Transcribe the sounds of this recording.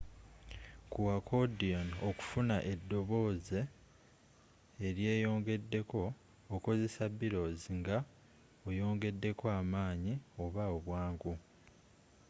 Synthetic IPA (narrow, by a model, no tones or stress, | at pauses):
kuwakʰodionoku̥funaʔe̞dːo̞βo̞ːze̞ | ɾje̞ːjo̞ːŋɡe̞dːe̞ko̞ː | ko̞ze̞sabːiɾo̞ːziŋɡa | ojo̞ːŋɡe̞dːe̞koaːmaːɲio̞βaoβwaːŋɡu